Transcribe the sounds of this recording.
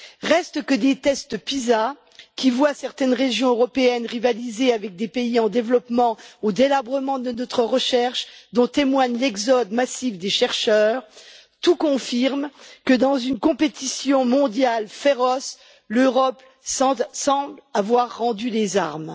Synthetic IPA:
ʁɛst̪kəd̪et̪ɛst̪əpiza | kʲivwasɛʁt̪ɛnʁeʒjɔ̃øʁɔpeɛnʁivalizeavɛk̚d̪epeiɑ̃d̪evlɔpmɑ̃od̪elabʁəmɑ̃d̪ənɔt̪χəʁəʃɛʁʃd̪ɔ̃t̪emwaɲlɛɡzɔd̪masivd̪eʃɛʁʃœːʁ | t̪ukɔ̃fiʁmkəd̪ɑ̃zynkɔ̃pet̪isjɔ̃mɔ̃d̪jalfeʁɔs | løʁɔp | ɑ̃sɑ̃blavwaʁːɑ̃d̪ylezaʁm

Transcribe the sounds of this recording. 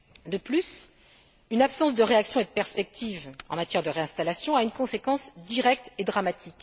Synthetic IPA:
d̪əplys | ynapsɑ̃sd̪əʁeaksjɔ̃ed̪əpɛʁspɛk̚t̪ʰivɑ̃mat̪jɛʁd̪əʁeɛ̃st̪alasjɔ̃aynkɔ̃sekɑ̃sd̪iʁɛk̚t̪ed̪ʁamat̪ʰik

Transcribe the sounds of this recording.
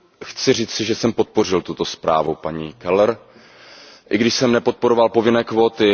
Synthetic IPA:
xt͡sɪr̝iːt͡sɪʒɛsɛmpo̞t̪̚po̞r̝ɪlt̪ut̪o̞spɾa̰ːvupaɲiːkɛlɛɾ | ʔɪɡdɪʃsɛmnɛpo̞t̪̚po̞ɾo̞valpo̞vɪnɛːkvo̞ːt̪ɪ

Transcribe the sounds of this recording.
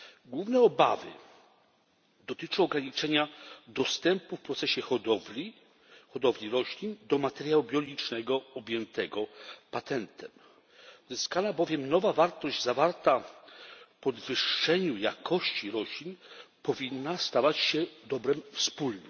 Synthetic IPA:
ɡwuvnɛɔbavɘ̰ | d̪ɔt̪ɘt͡ʂɔ̃w̃ɔɡɾaɲit͡ʂɛɲad̪ɔst̪ɛmpufpɾɔt̪sɛɕɛxɔd̪ɔlʲi | xɔd̪ɔvlʲiɾɔɕlʲind̪ɔmat̪ɛɾjaubʲjɔlɡʲit͡ʂnɛɡɔɔbʲjɛnt̪ɛɡɔpat̪ɛnt̪ʰɛm | uzɘskanabɔvʲjɛmnɔvavaɾt̪ɔʑd͡ʑzavaɾt̪a | fpɔd̪vɘʂːɛɲujakʰɔɕt͡ɕiɾɔɕlʲinpɔvʲinːast̪avat͡ɕɕɛd̪ɔbɾɛmfspulnɛ

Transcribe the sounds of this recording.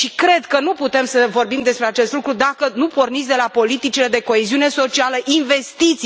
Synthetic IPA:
ʃikɾe̞d̪kənuput̪e̞msəvo̞rbimd̪espɾe̞at͡ʃe̞st̪lukɾud̪akənupo̞rnit̪sʲd̪e̞lapo̞lit̪it͡ʃile̞d̪e̞ko̞e̞ziune̞so̞t͡ʃialəʔinve̞st̪it̪s

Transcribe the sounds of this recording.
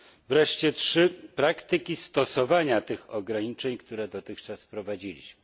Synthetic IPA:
vɾɛʂt͡ɕɛtʂɘpɾakt̪ɘkʲist̪ɔsɔvaɲat̪ɘxɔɡɾaɲit͡ʂɛɲkt̪uɾɛd̪ɔt̪ɘxt͡ʂasfpɾɔvad͡ʑilʲḭɕmɘ

